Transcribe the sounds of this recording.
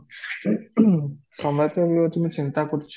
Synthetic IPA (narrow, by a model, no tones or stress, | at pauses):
ʃɔmat̪ebiɔt̪umit͡ɕint̪akoɾt͡ɕʰ